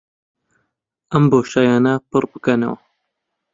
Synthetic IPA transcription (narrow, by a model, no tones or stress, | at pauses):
ʔɐmboːʃaːjaːnɐpɨrbɨkɐnɐ̰wɐ